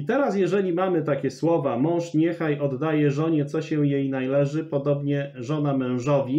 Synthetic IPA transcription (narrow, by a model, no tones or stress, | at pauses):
it̪ɛɾasjɛʐɛlʲimamɘt̪akʲɛswɔvamɔ̃w̃ʂɲɛxajʔɔd̪ːajɛʐɔɲɛt̪sɔɕɛjejnajlɛʐɘpɔd̪ɔbɲɛʐɔnamɛ̃w̃ʐɔvʲi